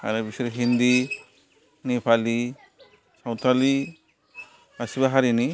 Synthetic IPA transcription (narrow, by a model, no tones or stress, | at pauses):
a̰ɾɛbisɔɾiɦind̪i | nipʰali | sawt̪ʰali | asibaɦaɾini